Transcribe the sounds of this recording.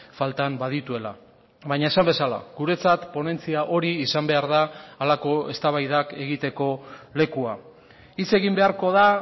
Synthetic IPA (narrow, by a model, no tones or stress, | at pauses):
falt̪ambaðit̪ue̞la̰ | βajɲae̞sambe̞sala̰ɣuɾe̞t͡sat̪po̞ne̞nt͡siaʔo̞ɾiːsambe̞aɾðaːlako̞e̞st̪aβajðake̞ɣit̪e̞ko̞le̞kua | it͡se̞ɣimbe̞aɾko̞ð̞a